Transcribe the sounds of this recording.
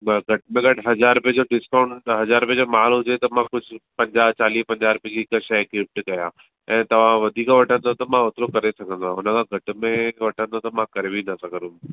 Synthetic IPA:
ɡʱɐʈmẽɡɐʈʰɦɐzaːɾʊpeɦd͡ʑoɖɪskaːʊ̃ɳʈɦɐzaːɾpeɦd͡ʑomaːlɦʊd͡ʑet̪ɐmãkʊd͡ʑʱɪpɐ̃ɲd͡ʑaːt͡ɕaːliːpɐ̃ɲd͡ʑaːɾʊped͡ʑikʃɐkɾɪp̚ʈkɐjã | ɛ̃ːt̪ɐʋ̤ãʋɐd̪ʱiːkʋɐʈʰə̃nd̪ot̪ɐmãoːt̪ɪɾokɐɾesɐɡʱə̃nd̪ãʊnəkʰãɡʱɐʈ̆mẽʋɐʈʰə̃nd̪ot̪ɐmãkɐɾebinɐsɐɡʱəɾũ

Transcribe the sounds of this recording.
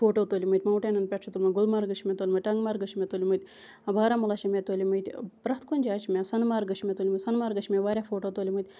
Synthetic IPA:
foːʈoːt̪oːlʲimɨt̪ʲmɐwʈenɐnpʲeʈʂʰɐt̪olʲmɐɡʊlmaːɾɡɨʃʰimet̪oːlʲmɨt̪ʲʈɐŋɡmaːɾɡɨʃʰimʲet̪oːlimɨt̪ʲ | ɐbʱaːɾamulaʃɐmet̪oːlʲimɐjt̪ʲpɾɐht̪konʲd͡ʒaːt͡ʃmʲesɐnmaːɾɡɨʃʰimʲet̪oːlʲimɨsɐnmaːɾɡɐʃʰmeʋaːɾʲafoːʈoːt̪oːlʲimɨt̪ʲ

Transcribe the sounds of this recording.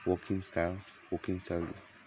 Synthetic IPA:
wɔkʰĩŋstal | wɔkĩŋstaldi

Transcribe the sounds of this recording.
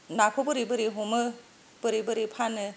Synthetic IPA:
nakʰɔbɯɾibɯɾiɦɔmɯ | b̥ɯɾibɯɾipʰanɯ

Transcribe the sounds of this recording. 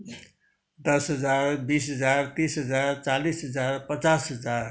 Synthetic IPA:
d̪əsɦəd͡ʒaɾbisɦəd͡ʒaɾt̪isɦəd͡ʒaɾt͡ʃalisɦəd͡ʒaɾpət͡ʃasɦəd͡ʒaɾ

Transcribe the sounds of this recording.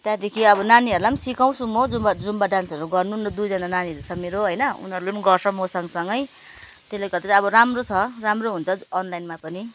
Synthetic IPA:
t̪jad̪ekʰiʌbʌnaniɦʌɾulamsikaw̃sumod͡zumbad͡zumbaɖansʌɾuɡʌrnunʌd̪ud͡zʌnananiʌɾut͡sʰʌmeɾoɦʌjnʌṵnɦʌɾulemnɡʌrsʰʌmosʌŋsʌŋɡʌj | t̪eleɡʌɾd̪at͡sʌβʌɾamrot͡sʰʌramroɦunt͡sʰʌːnlajnmapʌni

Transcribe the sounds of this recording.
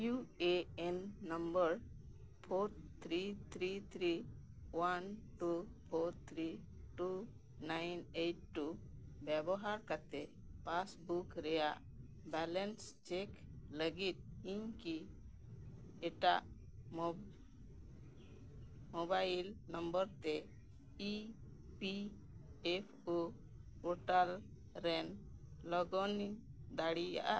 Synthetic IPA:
jueenːəmbəɾ | pʰoɾt̪ʰɾit̪ʰɾit̪ʰɾi | wanʈupʰoɾt̪ʰɾi | ʈu | najneʈʈːubɛbɔɦaɾkat̪e | pasbukɾɛjaʔ | bɛlenst͡ʃekləɡit̪̚iɲki | ɛʈaʔ | mɔbajlnəmbəɾt̪ɛ | i | pi | epʰu | ɔʈal | ɾɛnlɔɡɔnid̪aɽija̰ʔaʔ

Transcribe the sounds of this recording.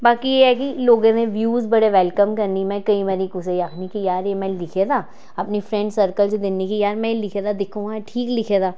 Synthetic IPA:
baːkijeɦɛkiloːɡõnẽʋjuːzbɐɽeʋɛlkəmkɐɾnimɛ̃kɐibaɾikʊsejaːkʰnikijaːɾemɛ̃lɪkʰed̪aː | ɐpnifɾɛ̃ɳɖsɐɾkəlsed̪ɪnːikijaːɾmɛ̃lɪkʰed̪ad̪ɪkʰũaʈʰiːklɪkʰed̪aː

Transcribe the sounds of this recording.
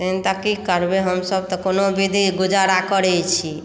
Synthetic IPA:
t̪əɦint̪akikəɾbeɦəmsəbt̪ɔkonobid̪ʱiɡud͡ʒaɾakəɾɛt͡ʃʰi

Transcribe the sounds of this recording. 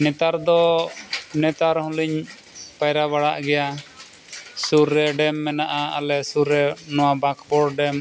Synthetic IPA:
nɛt̪aɾd̪ɔ | nɛt̪aɾhɔ̃liɲ | pajɾaβaɽaʔɡɛja | suɾːɛɖɛmːɛnaʔaa̰lɛsuɾɛnɔwabakpɔɽɖɛm

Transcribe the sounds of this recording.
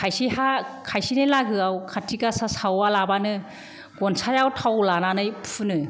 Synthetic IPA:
kʰajsihakʰajsinɯlaɡɯawkʰatʰiɡasasawalabanɯ | ɡ̥ɔnsʰajawtʰawlananɯjpʰɯnɯ

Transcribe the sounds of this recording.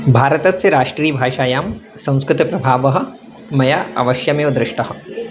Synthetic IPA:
bʱaːɾət̪ɐsseɾaːʂʈɾiːbʱaːʃaːjaːm | sɐ̃w̃skɾɪt̪pɾɐbʱaːʋɐɦɐ̆ | mɐjaɐ̰ʋɐʃjɐmẽud̪ɾɪʃʈɐɦɐ̆

